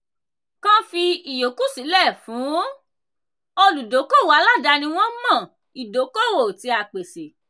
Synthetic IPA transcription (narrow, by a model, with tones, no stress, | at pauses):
kã˦fi˧i˨jo˨˦ku˦si˨˦lɛ˦˨fũ˨˦ | o˧lu˨do˨˦ko˦˨wa˧˦la˦˨da˧nĩ˧w̃ɔ̃˦mɔ̃˦˨ | i˨do˨˦ko˦˨wo˨ti˧˦a˨k͡pe˨se˨